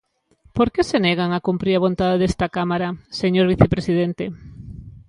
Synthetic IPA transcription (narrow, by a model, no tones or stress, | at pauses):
poɾkeseneɣaŋakumpɾiɾaβ̞ont̪aðeðest̪akamaɾaseɲoɾβiθepɾesið̞ent̪e